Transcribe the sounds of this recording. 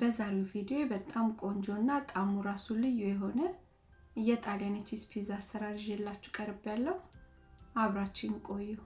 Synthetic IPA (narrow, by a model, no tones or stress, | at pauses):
bəzaɾewvid̪iobət̪ʼamkʼo̞nd͡ʒonːat̪ʼamuɾasulɨjːujɛɦo̞nə | ɨjːɛt̪ʼaljanet͡ʃːispʰizasəɾaɾʒɛlːat͡ʃːu̥kʼəɾbjalːəhu | aβɾat͡ʃːɪnkʼo̞jːu